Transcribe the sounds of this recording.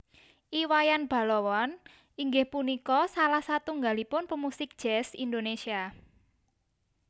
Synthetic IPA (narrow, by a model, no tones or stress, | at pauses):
ʔiwajanb̥a̤lɔwɔn | iŋɡɪhpunikɔsalahsat̪uŋɡalipʊnpəmusɪk̚d̥ʒ̥ɛsḭnd̪onesia